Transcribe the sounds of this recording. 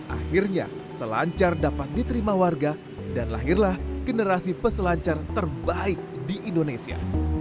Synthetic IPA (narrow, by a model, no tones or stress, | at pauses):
ʔa̰xirɲa̰səla̰ɲt͡ʃardapat̪̚dit̪əɾimawarɡa | danla̰ɦirlahɡ̥ənəɾasipəsəlaɲt͡ʃart̪ərbaɪk̚diʔindonesia̰